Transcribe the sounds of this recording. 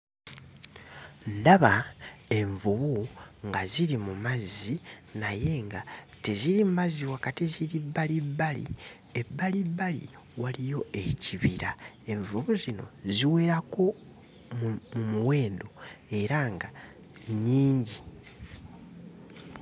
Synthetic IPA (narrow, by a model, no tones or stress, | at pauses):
ndaβae̞ɱvuβuŋɡaziɾimumazinaje̞ŋɡa | teziɾimumaziwakatiziɾibːalibːalḭ | ebːalibːalḭ | walijo̞e̞ciβiɾa | e̞ɱvuβuzino̞̰ziwe̞ɾako̞ | mmumuwe̞ːndo̞e̞ɾaŋɡa | ɲiːɲɟi